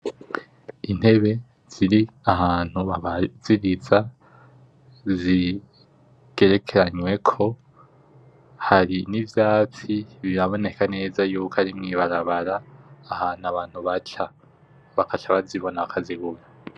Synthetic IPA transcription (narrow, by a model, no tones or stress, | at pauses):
in̥he̞βe̞ | z̥iɾi | aɦaːn̥huβaβz̥iɾiza | zi | ɡ̥e̞ɾe̞kʰe̞ɾaɲwe̞kʰo̞ | haɾinivjaːt͡siβiɾaβo̞ne̞kane̞ːzajuːkaɾimŋiβaɾaβaɾaːhaːnuaβaːn̥huβat͡ʃa | βakat͡ʃaβaziβo̞naβakʰaziɡuɾa